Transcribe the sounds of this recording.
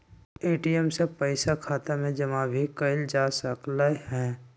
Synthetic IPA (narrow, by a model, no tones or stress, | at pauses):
eːʈijɛmsepəɪsakʰaːt̪amẽd͡ʒəmãbʱikəɪld͡ʒaːsəklahɛ̃ː